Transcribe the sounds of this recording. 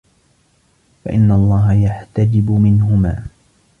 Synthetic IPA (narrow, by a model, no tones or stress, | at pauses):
fa̰ʔɪnːaɑlˤːɑːɦajaħt̪ad͡ʒɪbʊmɪnɦʊma̰ː